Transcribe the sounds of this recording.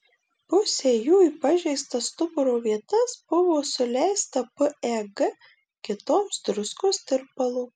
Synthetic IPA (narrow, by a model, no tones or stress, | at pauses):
pʊsʲeːjuːiːpɐʒʲɛɪst̪ɐst̪ʊpʊɾoːʋʲiɛt̪ɐsb̥ʊʋoːsʊlʲɛɪst̪ɐpəɛɡɐ | kʲɪt̪oːmsd̪ɾʊskoːst̪ʲɪɾppɐlˠuː